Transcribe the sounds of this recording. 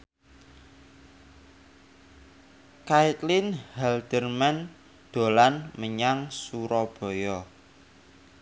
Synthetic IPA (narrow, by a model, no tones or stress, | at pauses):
kait̪linhɛld̪̥ərman | d̪̥o̤lanməɲaŋsuɾɔb̥ɔ̤jɔ